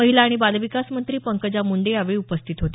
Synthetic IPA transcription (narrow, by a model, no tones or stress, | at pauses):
əɦilaːɽ̃ibalʋikasmənt̪ɾiːpəŋkəd͡ʑamuɳɖejaʋeupəst̪ʰit̪ɦot̪e